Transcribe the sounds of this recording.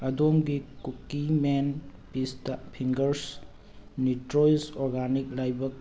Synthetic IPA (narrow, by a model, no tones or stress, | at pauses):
ɐdomɡikukːimenpistɐpʰiŋɡɐɾs | nitɾojsoɾɡanik̚lajbɐk̚